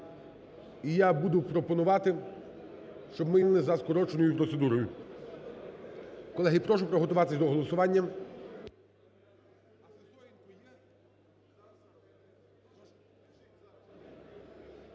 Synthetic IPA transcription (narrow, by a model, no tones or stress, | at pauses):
ijabud̪ʊpɾɔpɔnʊʋɑt̪ɪ | ʃt͡ʃɔbmɪnlɪzɐskɔɾɔt͡ʃenɔjʊpɾɔt̪se̞d̪uɾɔjʊ | kɔlˠɛɦɪpɾɔʃ̬ʊpɾɔɦɔt̪ʊʋɑt̪ɪsʲd̪ɔɦɔlˠɔsʊʋɑnʲːɐ